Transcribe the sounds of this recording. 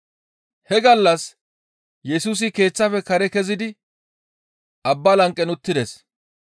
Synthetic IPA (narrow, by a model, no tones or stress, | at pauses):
hɛɡɐlːɐs | jɛsuːs̬ɪke̞ːt͡sːɐfɛkɐɾɛkɛzɪd̪ɪ | ʔɐbːɐlɐŋkʼːɛnʊt̪ːɪd̪es